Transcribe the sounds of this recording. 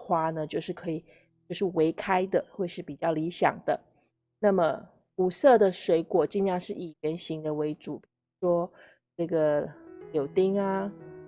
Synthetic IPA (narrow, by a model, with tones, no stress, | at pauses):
xwa˥nə˨t͡ɕjo˥˧ʊʂɻ̩˥˩kʰɤ˧˥i˨˩ | t͡ɕjʊʂɻ̩˥˩we˧˥ɪkʰa˥ɪd̪ə˨xwe˥˧ɪʂɻ̩˥˩pi˨˩t͡ɕjɑ˥˩ʊli˧˥ɕjɑ̰˨˩ŋd̪ə̰˦ | na˥˩mə˩ | u˨˩sɤ˥˩d̪ə˨˩ʂwe˧˥ɪkwɔ˨˩t͡ɕi˥˧ŋja˥˧ʂɻ̩˥˩i˨˩ɥɛ˧˥nɕi˧˥ŋd̪ə˧we˧˥ɪʈ͡ʂu˨˩˦pi˨˩ɻu˧˥ʂwɔ˥ | ʈ͡ʂɤ˥˩ɡə˩˧jo˨˩ʊt̪i˥ŋa˧